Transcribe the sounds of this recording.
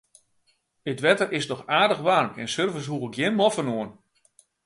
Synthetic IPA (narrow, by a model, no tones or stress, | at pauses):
ətʋɛtərɪsdɔxaːdəxʋarmɛ̰nsørvəs̬ɦuəkjɪnmɔfənoən